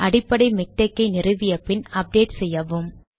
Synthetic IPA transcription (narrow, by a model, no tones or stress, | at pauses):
ʔɐɽɪpːɐɽɐɪmɪk̚ʈɐkːɐɪnɪrɯʋɪjɐpːɪnɐp̚ɖeːʈsɛjːɐʋɯm